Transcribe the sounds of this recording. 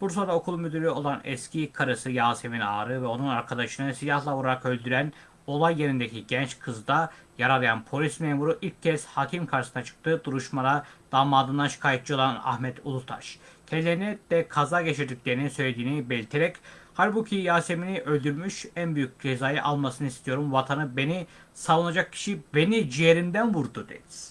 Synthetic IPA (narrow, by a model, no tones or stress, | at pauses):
buɾs̬o̞nɾaokʰulˠmyd̪yɾʲio̞lˠanɛscʰikʰaɾɯsɯjaːsemina̰ːɾɯvɛo̞nunaɾkʰad̪aʃɯnɯsijahlˠaolˠaɾakø̞lʲd̪yɾæn | o̞lˠajːeɾind̪ecʰiɟɛnt͡ʃkʰɯzɯd̪ajaɾalˠɯjanpʰo̞lʲismeːmuɾuʔilʲcʰːɛz̥hacʰimkʰaɾʃsɯnat͡ʃʰɯ̥k̚t̪ʰɯːd̪uɾuʃmaɾad̪̥aːmaːd̪ɯnd̪anʃɯ̥kʰaːjit̪̚t͡ʃio̞lˠana̰hmɛt̪ulˠut̪ʰa̰ʃcʰelʲːenɛd̪̥ɛkʰazaɟe̞t͡ʃʰiɾd̪icʲlʲe̞ɾininsø̞jlʲe̞d̪iːnibelʲit̪ʰeɾɛchaɾbucʰijaːse̞miniʔø̞lʲd̪yɾmyʃænbyjyc̚ʲd͡ʒezaːjɯʔalˠmasɯnɯist̪ʰijo̞ɾumvat̪ʰanɯbe̞ni | savunad͡ʒak̚cʰi̥ʃibe̞nid͡ʒijeɾimd̪ænvuɾd̪ud̪ḛniz̥